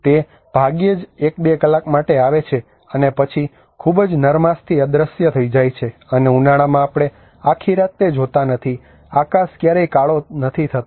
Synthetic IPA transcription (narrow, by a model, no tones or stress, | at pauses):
t̪e | b̥ʱaɡjed͡ʒek̚bekəlːakmaʈeaʋet͡ʃʰe | ənepət͡ʃʰi | kʰubd͡ʒnəɾmast̪ʰiəd̪ɾəsjət̪ʰəid͡ʒajt͡ʃʰeəneunaɽ̃amãːpɽ̃e | akʰiɾat̪ːed͡ʒɦot̪anət̪ʰi | akaskjaɾəjkaɭonət̪ʰit̪ʰət̪